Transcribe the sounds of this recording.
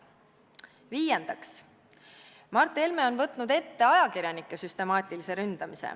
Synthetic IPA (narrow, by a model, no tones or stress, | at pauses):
viːjend̪̥ɑks | mɑrt̪ːˑe̞lme̞o̞nvɤt̪ˑnud̪e̞t̪ːe̞ɑjɑkiɾjɑnikːˑe̞syst̪e̞mɑːt̪ʲˑilise̞ɾynd̪̥ɑmisḛ